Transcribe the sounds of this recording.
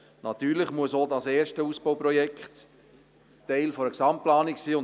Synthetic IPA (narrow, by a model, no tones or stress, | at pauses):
nɑt̪yːɾlɪχmuəsoːdɑsɛːɾʃtəuːsb̥oʊpɾɔjɛkχt | tɛɪlfoɾəksɑmtplɑːniksiːʊn